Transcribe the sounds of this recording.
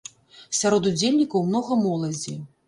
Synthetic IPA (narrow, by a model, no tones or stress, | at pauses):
sʲaɾɔd̪ud͡zʲelʲnʲikɐwmnɔɣɐmɔlˠɐd͡zʲi